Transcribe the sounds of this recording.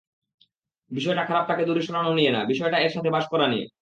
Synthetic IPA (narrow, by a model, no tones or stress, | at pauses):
biʃɔeʈakʰaɾab̚t̪aked̪uɾiʃonanoniena̰biʃɔeʈaeɾʃat̪ʰebaʃkɔɾaniḛ